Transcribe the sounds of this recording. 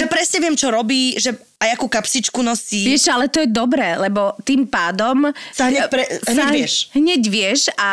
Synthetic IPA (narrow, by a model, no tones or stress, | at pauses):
ʒɛpɾɛsɲɛʋɪɛmt͡ʃɔɾɔbiːʒɛ | ajakuːkapsit͡ʃkunɔsiːʋɪɛʃalɛt̪ɔjɛd̪ɔbɾɛːlɛbɔt̪iːmpaːd̪ɔmsaɦɛɾɛɦɲaɛɪɛʃɦɲɛɟʋɪɛʃa